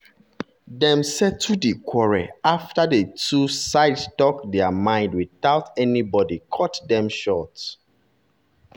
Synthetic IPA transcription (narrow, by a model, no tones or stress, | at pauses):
dɛ̃msɛtʰudikʰwɔɹaaftadetusaɪdstɔkdɛamãɪ̃ndwiðaʊtɛnibɔdikʰɔtdɛ̃mʃɔt